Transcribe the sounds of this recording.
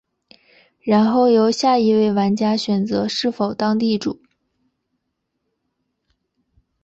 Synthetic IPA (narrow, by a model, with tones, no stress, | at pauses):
ɻa˧˥nxo˥˩ʊjo˧˥ʊɕja˥˩i˧˥we˥˩ɪwa˧˥nt͡ɕja˥ɕɥɛ˨˩nt͡sɤ˧˥ʂɻ̩˥˩fo˨˩ʊt̪ɑ˥ŋt̪i˥˩ʈ͡ʂṵ˨˩˦